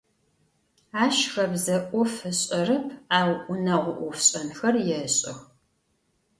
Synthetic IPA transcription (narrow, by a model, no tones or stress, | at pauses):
aːʃxɐbzɐʔʷɔfɨɕʼɐrɨpʰaːwʔʷʊnɐʁʷʊʔʷʊfɕʼɐnxɐrjɛɕʼɪx